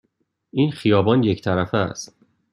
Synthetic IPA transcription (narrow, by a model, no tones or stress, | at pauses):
ʔiːnxijɒːbɒːnje̞ct̪ʰæɾæfææ̰st̪̚